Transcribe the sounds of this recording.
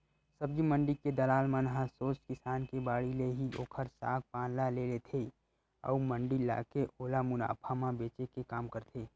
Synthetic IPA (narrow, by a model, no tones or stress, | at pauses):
səb̚d͡ʒimə̃ɳɖiked̪əlaːlmãnɦãsoːskɪsaːnkebaːɽileɦio̰ːkʰəɾsa̰ːk̚pãːnlalelet̪ʰe | ɔ̰ːumə̃ɳɖila̰ːkeʔoːlamʊna̰ːpʰamãbeːt͡ʃekekaːmkəɾt̪ʰeː